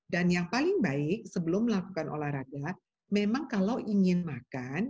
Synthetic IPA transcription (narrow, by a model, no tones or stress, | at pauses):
danjaŋpalɪŋbaɪk̚səbəlʊmːəlakukanʔo̰lahɾaɡa | memaŋkalawʔiŋɪnmakan